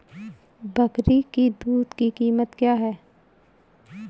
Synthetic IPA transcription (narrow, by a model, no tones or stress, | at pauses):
bɐkɾikid̪uːd̪kikiːmət̪kjaːɦɛː